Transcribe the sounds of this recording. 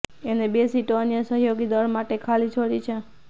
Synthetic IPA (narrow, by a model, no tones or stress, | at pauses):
enebesiʈoənjəsəɦjoɡid̪əɾmaʈekʰalit͡ʃʰoɽit͡ʃʰe